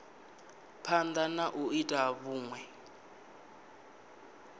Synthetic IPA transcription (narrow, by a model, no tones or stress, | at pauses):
pʰand̪anaʔuitʼaβuːŋwɛ